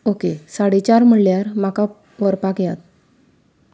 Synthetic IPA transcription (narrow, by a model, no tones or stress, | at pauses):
okesaɽit͡ɕaɾm̤əɽljaɾmaka | pɔɾpakjat̪̚